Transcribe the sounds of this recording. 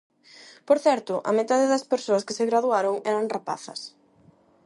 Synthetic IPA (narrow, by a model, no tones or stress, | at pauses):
poɾθɛɾt̪ʊʔɐ̰met̪aðɪðɐspeɾsoɐskɪsɪɣɾaðuaɾʊŋɛɾɐŋrapa̰θɐ̰s